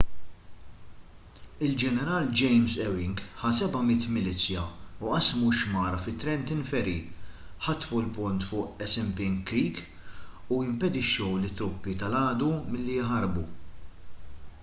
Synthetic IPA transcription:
ɪld͡ʒɛnɛɾɐːld͡ʒɛjmzɛwɪŋɡħɐsɛbɐmɪt̪mɪliːt͡sjɐuʔɐsmuʃmɐːɾɐfɪt̪ːɾɛnt̪ɪnfɛɾiħɐt̪ːfulpʊnt̪fʊːʔɛsɛmpɪŋkɾiːk | uɪmpɛd̪ɪʃːɔwlɪt̪ːɾʊpːit̪ɐlɐːd̪umɪlːijɪħɐɾbṵ

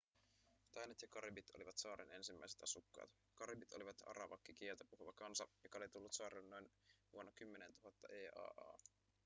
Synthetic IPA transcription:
t̪ɑjnet̪jɑkɑribit̪oliʋɑt̪sɑːɾʔene̞nsimːæiset̪ɑsukːɑ̰ːt̪ | kɑribit̪o̞liʋɑt̪ɑ̰ɾɑʋɑkːik̟ielt̪æpuhuʋɑkɑnsɑjokːɑolit̪ulːut̪sɑːɾelːnno̞inʋuonːɑkymːenent̪uɦɑt̪ːɑʔeːɑ̰ːʔɑ̰ː

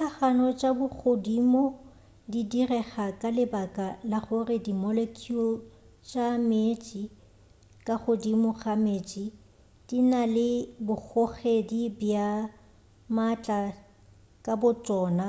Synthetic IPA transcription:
t͡ɬʰaχanɔt͡ʃʼabʊk͡xʰodimɔ | didirɛχakʼalɪbakʼalaχʊrɪdimɔlekʰilt͡ʃʼamet͡ʃʼi | kʼaχodimɔɣameːt͡ʃʼi | d̥inalɪbʊk͡xʰɔχedibja | mat͡ɬʼa | kʼabʊt͡ʃʼɔːna

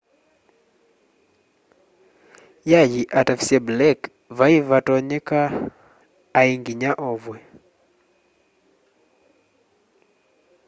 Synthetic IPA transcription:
jajiʔatafi̥siɛblɛk | vaivatɔɲɛka | iŋɡiɲaʔɔvwɛ

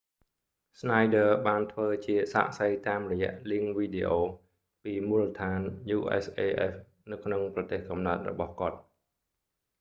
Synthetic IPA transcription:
snajɗəːɓaːnt̪ʰʋəːt͡ɕiəsa̰ːʔsəjt̪aːmrɔjɛ̆əʔliəŋʋiːɗeʔoː | piːmuːlət̪ʰaːnjuːʔɛ̰sʔeːʔɛ̰f | nɨwkʰnoŋprɑt̪eːhkɑmnaət̪̚rɔ̰ɓɑhkŏət̪̚

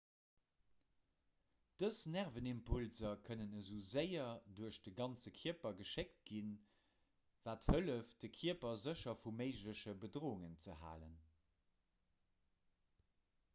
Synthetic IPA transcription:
d̥əsnæʁvənimpʰulzɐkʰənənəzuːzəɪɐduəɕd̥əɡɑnt͡səkʰiəpɐɡəʃekt̚ɡin | vaːthələfd̥əkʰiəpɐzəʃɐfumeɪʃləɕəbədʁoːuŋənt͡səɦa̰ːlə̰n

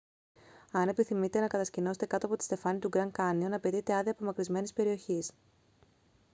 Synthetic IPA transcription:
ɐne̞piθimit̪e̞nɐkɐt̪ɐscino̞set̪e̞kɐt̪oɐpot̪ist̪e̞fɐnit̪uɡɾɐŋkɐnionɐpe̞t̪it̪e̞ɐðiɐpo̞mɐkɾizme̞nispe̞ɾio̞çis

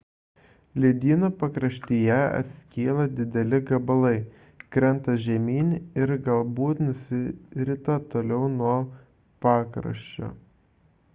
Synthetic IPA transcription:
lʲiɛd̪ʲiːnoːpɐkɾɐʃʲt̪ʲijɛɐ̰t̪ʲsʲkʲeːlˠɐd̪ʲɪd̪ʲɛlʲɪɡɐbɐlˠɐɪ | kɾʲɛnt̪ɐʒʲɛmʲiːnʲɪɾɡɐlˠbuːt̪nʊsʲɪɾʲɪt̪ɐt̪oːlʲɛʊnuɔ | pɑːkɾɐ̰ʃʲt͡ʃʲo̰ː

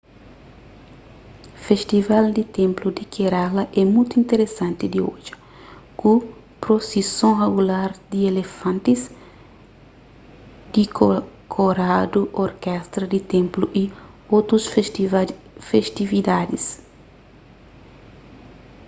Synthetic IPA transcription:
feʃt̪ivald̪it̪ẽmplud̪ikʰeɾalɐʔɛmujt̪uĩnt̪eɾesãnt̪id̪iod͡ʒɐ̥ | ku | pɾosisõreɡulaɾd̪ielefãnt̪is | d̪ikʰoɾad̪uʔoɾkɛst̪ɾɐd̪it̪ẽmpluʔi | ot̪ɾus | feʃt̪ivid̪ad̪is

